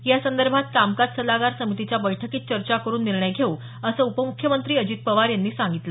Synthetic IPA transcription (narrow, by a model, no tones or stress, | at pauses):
jasənd̪əɾbʱat̪̚kamkad͡zsəlaɡaɾsəmit̪it͡ɕjabəjʈʰəkiːt̪t͡ɕəɾt͡ɕakəɾuːnːiɾɳəjɡʱeũ | əsəːupəmukʰjəmənt̪ɾiːəd͡ʑiːt̪̚pəʋaɾjanːiːsaŋɡit̪lə